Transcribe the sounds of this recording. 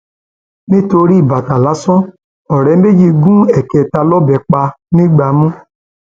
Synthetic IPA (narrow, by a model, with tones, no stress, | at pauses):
ni˦to˧ɾi˦˨ba˨ta˨la˨˦sɔ˦ | ɔ˨ɾɛ˨˦m̩˦be˦d͡ʒi˧ɡũ˦ɛ˨ke˨ta˧lɔ˦bɛ˨k͡pa˧ | ni˦ɡ͡ba˨mũ˦